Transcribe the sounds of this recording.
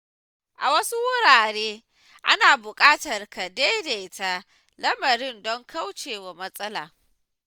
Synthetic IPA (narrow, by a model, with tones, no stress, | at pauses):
ʔa˨wɐ˦su˦wʊ˦ɾaː˨ɾeː˦ | ʔa̰˦naː˨bʊ˨kʼaː˦tɐ˨rka˨da˦jda˨ʔɪ˦ta˦ | lɐ˦mɐ˨ɾɪ˦ndɔ˦ŋka˦wt͡ʃeː˨wa˨mɐ˦sʼɐ˦la̰ː˨